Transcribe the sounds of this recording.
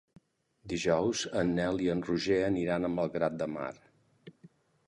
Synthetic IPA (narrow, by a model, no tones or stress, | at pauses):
d̪iʒɔwzənːɛliənruʒeəniɾanəmbəlˠɣɾat̪̚d̪əma̰ɾ